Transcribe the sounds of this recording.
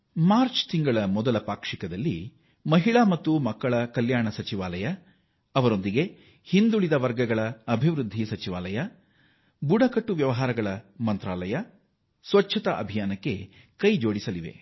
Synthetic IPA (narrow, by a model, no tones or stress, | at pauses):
maːɾt͡ʃt̪iŋɡɐɭɐmɔd̪ɐlɐpaːkʂikɐd̪ɐlːi | mɐɦiɭɐmɐt̪ːumɐkːɐɭɐkɐljaːɳɐsɐt͡ʃiʋaːlɐjɐː | ʋɐɾo̞nd̪iɡe̞ | hind̪uɭid̪ɐʋɐɾɡɐɡɐɭɐɐbʱiʋɾud̪ʱːisɐt͡ʃiʋaːlɐjɐ | buɽɐkɐʈːuʋjɐʋɐɦaːɾɐɡɐɭɐmɐnt̪ɾaːlɐjɐ | sʋɐt͡ʃːʰɐt̪ɐʔɐ̰bʱijaːnɐkːe̞ | kɐjd͡ʒo̞ːɽisɐliʋḛ